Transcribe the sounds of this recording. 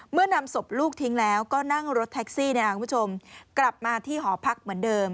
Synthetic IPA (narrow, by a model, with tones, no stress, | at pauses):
mɯ˥˩ɐna˧mso˨˩p̚luː˥˩k̚t̪ʰi˦˥ŋlɛː˦˥wkɔː˥˩na˥˩ŋɾo˦˥t̪ʰːɛ˦˥k̚siː˥˩na˥˩a˧kʰuː˧pʰu˥˩o˧mkla˨˩p̚maː˧t̪ʰiː˥˩ɦɔː˩˦pʰa˦˥k̚mɯ˩˦əndɤː˧m